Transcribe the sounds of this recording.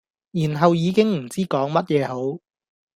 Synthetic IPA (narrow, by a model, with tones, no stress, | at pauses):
jiː˨˩nɦɐ˨wjiː˨˧kɪ˥ŋm̩˨˩t͡siː˥kɔː˨˥ŋmɐ˥t̚jɛː˨˧ɦo˨˥w